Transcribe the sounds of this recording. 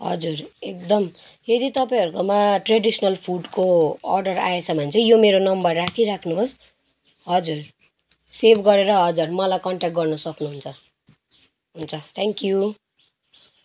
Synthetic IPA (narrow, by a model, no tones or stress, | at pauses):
ɦʌ̰d͡zurek̚d̪ʌm | jed̪it̪ʌpaĩɦʌɾukomaʈreɖisnʌlpʰuɖkoʌ̰rɖʌra̰esʰʌbʱʌnt͡sʰʌjomeɾonʌmbʌrːakʰiɾakʰnuɦos | ɦʌd͡zur | sebʰɡʌɾeɾʌɦʌd͡zurmʌlajkʌɳʈakʈ̚ɡʌrnʌsʌknuɦunt͡sʰʌ | ɦunt͡sʰʌt̪ʰeŋkju